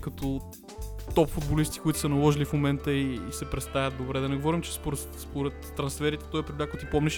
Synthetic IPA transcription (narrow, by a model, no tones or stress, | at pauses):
kɐt̪ɔ | t̪ɔpfʊd̪bolist̪i̥kʊit̪ʊ̥sənɐlˠɔʒilifmomɛnt̪əiːsɛpɾɛt̪st̪avʲjɐt̪̚d̪obɾɛd̪ɐnɛɡovɔɾimt͡ʃɛ̥spoɾɛ | spoɾɛt̪ːɾɐnsfɛɾit̪ɛ̥t̪ɔipɾʲid̪d̪ak̪t̪ipɔmnʲɛʃ